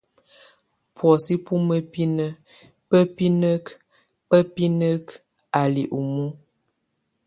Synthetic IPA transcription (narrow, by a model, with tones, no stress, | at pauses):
pʰwɔ˨si˦pu˦mə˦pi˦nə˦ | pə˦pi˦nə˦k | pə˦pi˦nə˦k | a˨lḭ˨ʔu˨mu˦